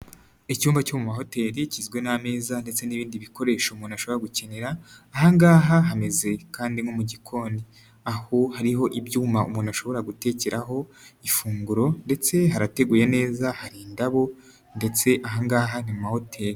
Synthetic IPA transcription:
icuːmvacomumaɦo̞te̞ːɾicizɡwe̞name̞ːzande̞t͡se̞niβiːndiβiko̞ɾe̞ːʃoumuːnaʃo̞βo̞ɾaɡuce̞ne̞ɾaːhaŋɡaːɦaɦame̞ze̞kaːndiŋomuɟikʰo̞ːni | ahohaɾiɦo̞ʔibjuːmaṵmuːnaʃo̞βo̞ɾaɡute̞ːceɾaɦo̞ifuːŋɡuɾo̞nde̞t͡se̞ɦaɾate̞ɡuːjene̞ːzahaɾiːndaβo̞ | nde̞t͡se̞ʔaɦaŋɡaːɦanimumaho̞tʰe̞ːɾi

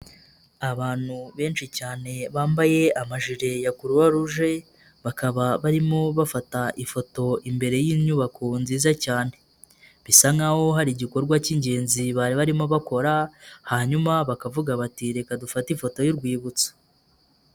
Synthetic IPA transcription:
aβaːn̥huβe̞ːnʃicaːne̞βaːmbaje̞amaʒiɾe̞jakuɾuwaɾuʒe̞ | βakaβaβaɾimo̞βafataʔifo̞to̞imbe̞ɾe̞jiɲuβakʰonziːzacaːne̞ | βisaŋaho̞ɦaɾiɟiko̞ɾɡwaciɲɟe̞ːnziβaːɾiβaɾimo̞βako̞ɾahaɲumaβakavuɡaβatiɾe̞kadufatifo̞to̞jiɾɡwiːβut͡sḁ

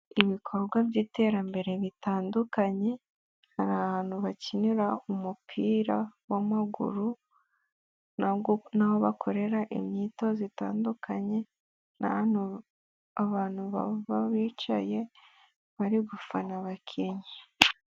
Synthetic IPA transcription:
iβikʰo̞ɾɡwabjiːte̞ɾambe̞ɾe̞βitaːndukaɲe̞ | haɾaβaːn̥huβaciniɾaumupʰiːɾawamaɡṵɾu | nnaho̞βakʰo̞ɾe̞ɾaʔḭmɲiːto̞zitaːndukʰaɲe̞ | na̰u | aβaːn̥huβaβaβiːt͡ʃa̰je̞ | βaɾiɡufanaβakʰiɲa

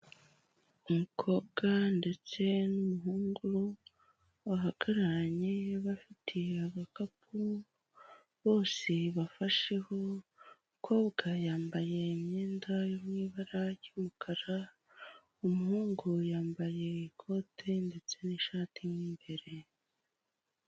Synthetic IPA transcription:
umukʰo̞bɡ̥ande̞t͡se̞numuɦuːŋɡuɾu | waɦaɡ̥aɾaɲe̞βafitʰiaβakap̚ʰu | βo̞ːseβafaʃe̞ho̞ | kʰo̞βɡajaːmbaje̞mɲeːndajomŋiːβaɾajumukʰaɾa | umuhuːŋɡujaːmbaje̞ikʰo̞tʰe̞nde̞t͡se̞niʃatʰimiːmbe̞ɾe̞

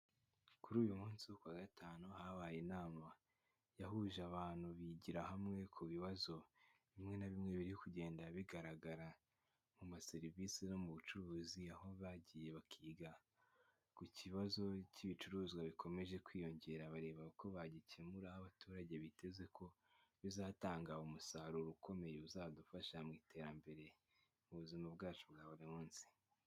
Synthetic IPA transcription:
kuɾuːjumuːnsiwokwaːɡatʰaːnuhaβajenaːma | jahuʒaβaːn̥huβiɟiɾahamŋe̞kʰuβiβazo̞βimŋe̞naβimŋe̞βiɾihokuɟe̞ːndaβiɡaɾaɡaɾa | mumase̞ɾivisino̞muβut͡ʃuɾuːziaho̞βaɟije̞βakʰiːɡa | kuciβazo̞ciβit͡ʃuɾuːzɡwaβikʰo̞me̞ʒe̞kwiːjo̞ɲɟe̞ɾaβaɾe̞ːβaβako̞βaɟicemuɾahaβatuːɾaɟe̞βite̞ze̞kʰo̞ | βizaːtaːŋɡaumusahaɾuɾukʰo̞me̞jeuzaːadufaʃamŋiːtʰe̞ːɾambe̞ɾe̞ | muβuzimabɡaːt͡ʃubɡaːβuɾimuːnsi̥

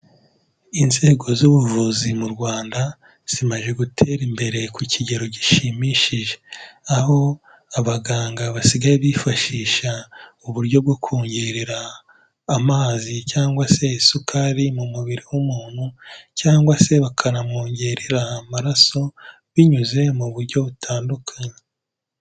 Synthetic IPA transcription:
inze̞ːɡo̞zuβuvuzimuɾɡwaːnda | z̥imaʒe̞ɡutʰe̞ːɾimbe̞ɾe̞kuciɟe̞ɾo̞ɟiʃimiʃiʒeaɦo̞ | aβaɡaːŋɡaβasiɡajeβifaʃiːʃauβuɾɟo̞b̚ɡokʰuːɲɟeɾeɾaː | maːzicaːŋɡwase̞sukʰaɾimumuβiɾiwumuːn̥hucaːŋɡwase̞βakʰaɾamoːɲɟeɾeɾaːmaɾaso̞ | βiɲuze̞muβuɾɟo̞βutʰaːndukʰaɲe

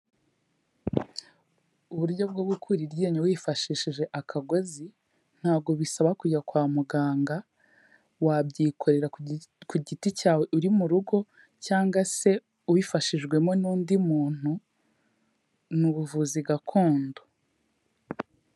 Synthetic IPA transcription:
uβuɾɟo̞b̚ɡoɡukʰuɾiɾɟeːɲawiːfaʃiʃiʒe̞ʔakʰaɡo̞zi | n̥haːβɡo̞βisaβakuɟakwaːmuɡaːŋɡa | wabɟiːkʰo̞ɾe̞ɾakuɟiticaːwe̞ʔuɾimuɾuɡo̞ | caːŋɡwase̞ | uwifaʃiʒɡwe̞mo̞nuːndimuːn̥hu | nuβuvuziɡakʰo̞ːndo

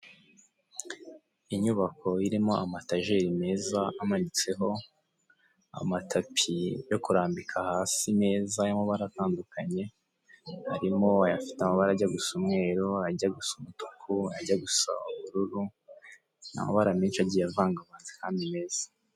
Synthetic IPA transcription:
iɲuβakʰo̞iɾimo̞amataʒeɾime̞ːzaːmanit͡se̞ɦo̞ | a̰matʰapʰijo̞kuɾaːmbikʰahaːsime̞ːzaimoβaɾataːndukʰaɲe̞ | haɾimo̞ajafi̥teamaβaɾaɟaɡusumŋe̞ːɾoaɟaɡusumutu̥kʰuaɟaɡusa̰uβuɾuɾu | na̰mo̰βaɾamiːnʃaɟiːjavaːŋɡaβaːnzihaːmbime̞ːz̥ḁ

